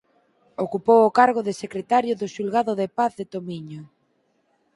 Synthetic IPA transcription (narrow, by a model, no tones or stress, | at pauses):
okupowʊkaɾɣ̞ʊðɪsekɾet̪aɾjʊðʊʃulɣaðʊðɪpaθðɪt̪omiɲʊ